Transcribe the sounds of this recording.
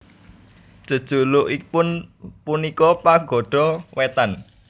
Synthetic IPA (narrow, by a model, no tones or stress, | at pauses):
ʒ̥ə̤d̥ʒ̥ulʊʔipʊnpunikɔpaɡɔ̤ɖ̥ɔwet̪an